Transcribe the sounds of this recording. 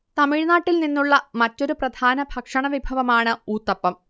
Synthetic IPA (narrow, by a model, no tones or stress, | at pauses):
t̪ɐmiɻnaːʈːilninːuɭːɐmɐtːo̞ɾuprɐd̪ʱaːnɐbʱɐkʂɐɳɐʋibʱɐʋɐmaːɳɨuːt̪ːɐpːɐm